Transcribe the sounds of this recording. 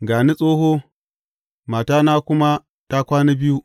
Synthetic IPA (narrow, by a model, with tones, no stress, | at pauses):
ɡa˨ni˦sʼo˦ɦo˦ | ma˨ta˦na˦ku˦ma˦ | ta˦kʷa˦ni˦bi˦ju˦